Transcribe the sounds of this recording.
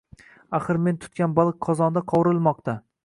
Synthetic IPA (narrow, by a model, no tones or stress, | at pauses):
aχɨɾme̞nt̪ʰʊ̥t̪̚kʲanbɒlˠɨqʰɒzɒnd̪aqʰɒwɾɨlˠmɒqt̪ʰa